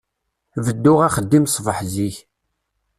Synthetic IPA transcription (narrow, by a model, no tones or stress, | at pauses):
vəd̪ːʊʁaχəd̪ːimsˤvəħziç